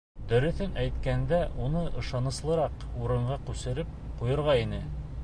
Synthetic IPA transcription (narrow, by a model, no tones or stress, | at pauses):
d̪ɵ̆ɾɵ̆θɘnʔæjt̪kænd̪æʔunɤʔɤ̆ʃɑnɤ̆slˠɤ̆ɾɑquɾɤ̆ɴɢɑqʉsɘ̆ɾɘp̚qujŏɾʁɑinɘ